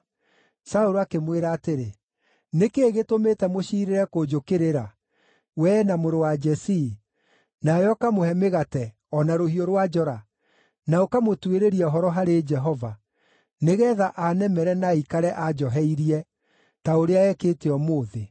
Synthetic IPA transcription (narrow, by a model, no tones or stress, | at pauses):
saoɾoakemweɾaːteɾe | nekeːɣetometɛmoɕiːɾeɾɛkod͡ʒokeɾeɾa | wɛnamoɾowad͡ʒɛsi | najɔkamohɛmeɣatɛ | ɔnaɾohioɾwad͡ʒɔɾa | naokamotweɾeɾiɛɔɦɔɾɔɦaɾed͡ʒɛɦɔva | neɣɛːðaʔanɛmɛɾɛnaikaɾɛʔad͡ʒɔɦɛiɾiɛ | taoɾeaɛketeɔmoːðe